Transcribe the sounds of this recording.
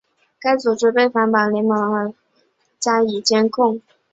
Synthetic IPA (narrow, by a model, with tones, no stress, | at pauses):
ka˥ɪt͡su˨˩ʈ͡ʂɻ̩˥pe˥˩ɪfa˧˥npa˧˥˩lɛ˧˥ŋmɑ˧˥ŋə˧˥ | t͡ɕja˥i˨˩t͡ɕjɛ˥nkʰʊ˥˩ŋ